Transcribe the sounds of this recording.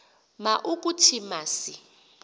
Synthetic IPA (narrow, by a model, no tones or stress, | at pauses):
maʔukʼutʰimaːsi